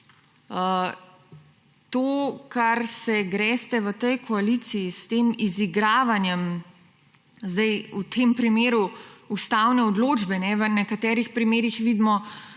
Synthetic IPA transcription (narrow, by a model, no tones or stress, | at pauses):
ə | t̪oːkaɾsɛɡɾɛːst̪ɛʋət̪əjkʰɔalit̪sijist̪eːmiziɡɾaːʋanjɛm | zd̪ɛjut̪ʰempɾimeːɾuust̪awnɛɔd̪loːd͡ʒbɛnɛʋənɛkat̪ɛːɾixpɾimeːɾixʋiːd̪mɔ